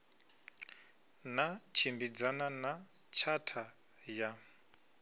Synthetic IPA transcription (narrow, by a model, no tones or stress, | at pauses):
nat͡ʃʰimbid͡zanana | t͡ʃʰatʰa | ja